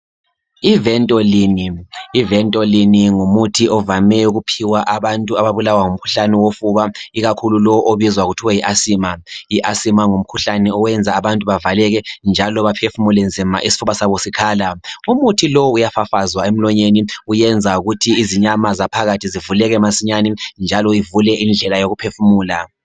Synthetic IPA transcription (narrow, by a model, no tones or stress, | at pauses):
ivɛntʼɔliniːvɛntʼɔliniŋumutʰiʔɔvamɛuɣupʰiwaʔaβantʼuaβaβulawaŋum̩kʰu̥ɬanɛwofuβaiɣakʰululɔʔoβizwaɣutʰiwajiʔasimajiʔasimaŋum̩kʰuɬanɛɔwɛnd͡zʱaːβantʼuβavalɛɣɛnd͡ʒʱalɔβapʰefumulɛnd͡zʱima̰ʔisi̥fuβasaβosikʰaːlaumutʰilowujafafazwaem̩lɔɲeniujɛnd͡zʱauɣutʰiːziɲamazapʰaɣatʰizivulɛɣɛmasiɲanɛnd͡ʒʱalɔivulɛʔind͡ɮʱɛlajoɣupʰefumuːla